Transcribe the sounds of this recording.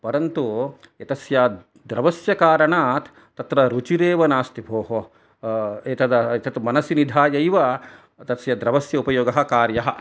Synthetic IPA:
pɐɾɐnt̪u | jɐt̪ɐsja | d̪ɾɐʋɐsjɐkaːɾɐɳaːt̪ʰ | t̪ɐt̪ɾɐɾut͡ʃiɾeːʋɐnaːst̪ibʱoːɦo | et̪ɐd̪ɐet̪ɐt̪mɐnɐsinid̪ʱaːjɐjʋɐ | t̪ɐsjɐd̪ɾɐʋɐsjɐupɐjoːɡɐɦɐ̆kaːɾjɐɦɐ̆

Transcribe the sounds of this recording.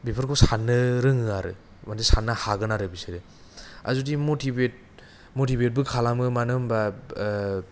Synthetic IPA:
bipʰɯɾkʰosanːɯɾɯŋɯaɾɯ̰ | mandisanːahaɡɯnaɾɯbisɯɾɯ | a̰zudimotʰibet̚ | motibet̚bɯkʰalamɯmanɯmba

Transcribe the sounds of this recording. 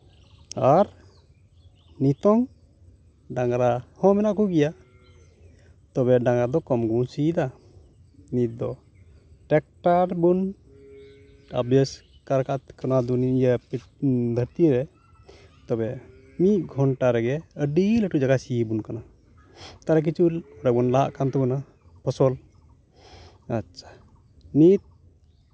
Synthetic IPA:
aɾ | nit̪ɔŋ | ɖaŋɾahɔ̃mɛnaʔkuɡija | t̪ɔbɛɖaŋɾad̪ɔkɔmɡusid̪a | nit̪̚d̪ɔ | ʈɛk̚ʈaɾbun | a̰bjɛs | kaɾkʰaʔt̪kanad̪unijapi | d̪ʱəɾt̪iɾɛ | t̪ɔbɛ | miʔ̚ɡʱɔɳʈaɾɛɡɛəɖiləʈud͡ʒaɡasibunkana | t̪aɾɛk̬it͡ʃulɔɾabunlaɦa̰ʔkant̪ɛbuna | pʰɔsɔl | aʃʰḁ | nit̪̚

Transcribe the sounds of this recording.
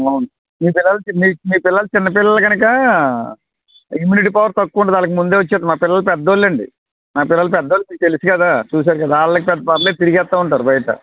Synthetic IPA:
ɐwunu | miːpɪlːɐlɐmimiːpɪlːɐlɐt͡ʃɪnːɐpɪlːɐlɐɡɐnɐkɐ | imjuːniʈiːpɐʋɐɾt̪ɐkːuuɳɖaːd̪aːlɐk̬imund̪eʋɐt͡ʃːaːd̪maːpɪlːɐlɐpɛd̪ːoːlːɐɳɖḭ | maːpɪlːɐlɐpɛd̪ːoːlːmiːt̪elisikɐd̪aːt͡ʃuːs̬aːɾukɐd̪aaːɭːɐkipɛd̪ːɐpɐɾɐleːt̪iɾiɡɛːt̪ːaːuɳʈaːɾubɐjɐʈɐ̰

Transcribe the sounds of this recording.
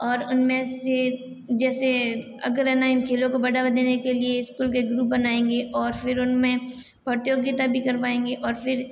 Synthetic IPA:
ɔːɾʊnmẽse | d͡ʒɛːse | ɐ̰ɡəɾɛːnaɪnkʰeːlõkobɐɽaʋd̪eːnekelieɪskuːlkeɡɾuːp̚bɐnaːẽːŋɡeʔɔːɾfɪɾʊnmẽ | bɐɾt̪ijoɡit̪abʱikɐɾpaːẽːŋɡeʔɔːɾfɪɾ

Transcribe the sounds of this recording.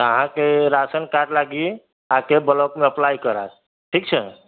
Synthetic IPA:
əɦãkeɾasənkaʈlaɡi | ɦãkebələkmeəplajkəɾa̰ | ʈʰik̚t͡ʃʰə

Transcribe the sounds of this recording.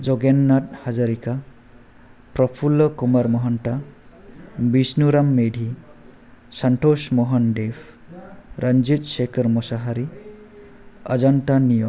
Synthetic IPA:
d͡ʒɔɡenːat̚hazaɾika | pɾɔpʰulːɔkumaɾmɔɦɔnta | bisnuɾamːedʱi | santosmɔɦɔndepʰ | ɾʔand͡ʒit̚sekɔɾmɔsaɦaɾi | ad͡ʒantanijɔ

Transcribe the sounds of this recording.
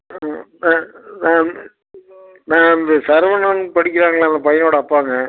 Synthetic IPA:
nãːnãː | nãːɪnd̪ɐsɐɾʋɐnɐːnpɐɽɪkʲːɪɾaːŋɡɐɭaːnd̪ɐpɐjɐnoːɽɐɐpːaːŋɡɐ

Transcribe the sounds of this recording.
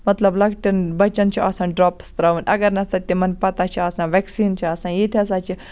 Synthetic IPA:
mɐt̪lɐblɐɡʈɐnbɐt͡ʃɐnt͡ʃʰiaːsãːnɖɾoːpst̪ɾaʋunʔɐɡɐɾnɐsɐt̪ːimɐnpɐt̪aːt͡ʃʰiaːsãːʋeksiːnt͡ʃʰiɐsãːjet̪ʰiɐs̬ãːt͡ʃʰi

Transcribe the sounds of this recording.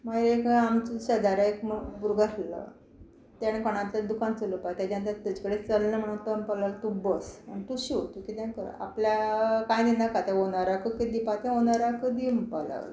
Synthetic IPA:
maekamt͡sɕəd̪aɾaekmbuɾɡaɾlə̰ | t̪añkəɽ̃ãt̪lad̪ukãnt͡sələpajt̪jad͡ʑãnt̪at̪ət͡ɕi̥kəɽet͡səlnəm̤əɽunt̪əmpəlalt̪ubəsməɳt̪uɕiɦot̪ukit̪ãnkəɾ̰a̰pljakãjd̪ind̪akat̪ãɦonaɾakəkid̪iːpat̪ɛ̃ɦonaɾakəd̪impəla̰ʋ̰l

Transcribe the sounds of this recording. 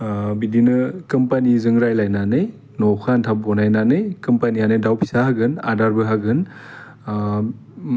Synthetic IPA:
bidinɯkɯmpanizɯŋɾajlajnanɯj | nɔkʰantʰap̚ɡɔnajnanɯjkɯmpanijanɯdawpʰi̥sahaɡɯna̰daɾbɯɦaɡɯn

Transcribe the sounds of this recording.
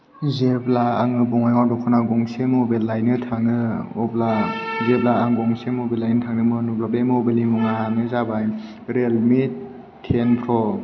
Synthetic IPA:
zebla̰ːŋɯbɔŋajŋawdɔkʰɔnaɡɔŋsemɔbelːajnɯtʰaŋnɯɔblazeb̚laːŋɡɔŋsemobelːajnɯtʰaŋnɯmɯnublabemobalimuŋaaŋɯzabaj | ɾelmitʰː | enpʰɾɔ

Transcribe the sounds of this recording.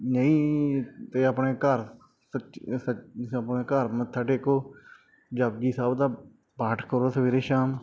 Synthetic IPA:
nəĩːt̪eːapɳeːkəɾ | səsəəpneːkəɾmət̪ʰːaːʈeːkoː | d͡ʒaːbɡiːsaːbd̪aː | baːʈʰkəɾoːsəʋiːɾeːʃaːm

